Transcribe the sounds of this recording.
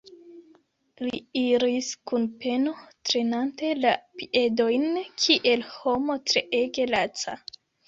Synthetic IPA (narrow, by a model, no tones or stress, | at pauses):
liiɾiskunpe̞no̞tɾe̞nante̞lapiʔe̞do̞jnkʰiʔe̞lho̞mo̞tɾe̞ʔe̞ɡe̞lat͡sa̰